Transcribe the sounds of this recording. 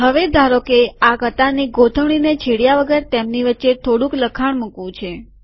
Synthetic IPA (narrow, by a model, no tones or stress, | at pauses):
ɦəʋed̪ʱaɾokeakət̪aniɡot̪ʰəʋɳ̃inet͡ʃʰeɽjaʋəɡəɾt̪emniʋətːʃet̪ʰoɽũkləkʰaɳmukʋũt͡ʃʰe